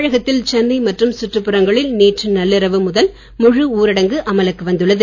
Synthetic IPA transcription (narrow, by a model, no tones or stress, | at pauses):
ɻɐɣɐt̪ːɪlt͡ʃɐnːɐɪmɐʈrɯmsʊʈːrɯpːɯɾɐŋɡɐɭɪlneːʈrɯnɐlːɪɾɐʋɯmʊðɐl | mʊɻɯuːɾɪɽɐŋɡɯʔɐmɐlɐkːɯʋɐnd̪ɯɭːɐðɯ